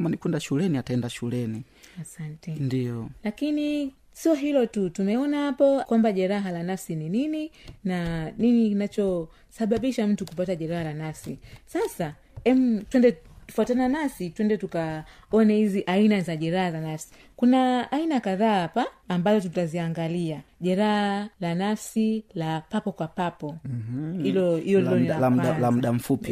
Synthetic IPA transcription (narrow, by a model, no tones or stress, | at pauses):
manikwɛndaʃulɛniataɛndaʃulɛni | asantɛndijɔlakini | siɔɦilɔtutumɛɔnahapɔkwambaʄɛɾaɦalanafsininininaninikinat͡ʃɔ | saɓaɓiʃam̩tukup̬ataʄɛɾahalanafsisasa | ɛmutwɛndɛtu̥fuatananasitwɛndɛtuka | ɔnɛhiziʔainazaʄɛɾahazanafsi̥ | kunaːinakaðaːapaːmbazɔtutaziaŋɡaliaʄɛɾahalanafsilapapɔkwapapɔhilɔhijɔlilɔnialamuɗam̩fupi